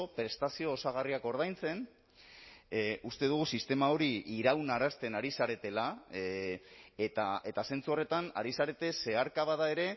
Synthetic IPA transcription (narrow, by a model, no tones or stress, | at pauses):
opɾe̞st̪asio̞ːsaɣ̞ariako̞ɾð̞ajnt͡se̞n | ust̪e̞ðuɣ̞usist̪e̞mao̞ɾiiɾawnaɾast̪e̞naɾisaɾe̞t̪e̞la | et̪ae̞t̪ase̞nt͡suo̞re̞t̪ana̰ɾisaɾe̞t̪e̞se̞aɾkaβaðae̞ɾe̞